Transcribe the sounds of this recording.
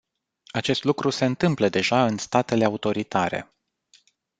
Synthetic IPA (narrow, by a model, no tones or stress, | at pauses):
at͡ʃe̞st̪lukɾuse̞ɨnt̪ɨmpləd̪e̞ʒaɨnst̪at̪e̞le̞aut̪o̞ɾit̪aɾe̞̰